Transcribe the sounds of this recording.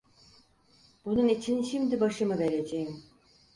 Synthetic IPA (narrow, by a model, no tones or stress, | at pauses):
b̥unɯnit͡ʃʰinʃimd̪ɪbɑʃɯmɯbɛɾɛd͡ʒɛjm